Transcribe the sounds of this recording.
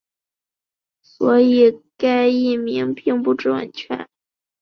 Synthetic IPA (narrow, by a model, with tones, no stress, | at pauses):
swɔ˧˥i˨˩ka˥ɪi˥˩mi˧˥ŋpi˥˧ŋpu˥ʈ͡ʂɻ̩˥˩wa̰˨˩nt͡ɕʰɥɛ̰˧˥n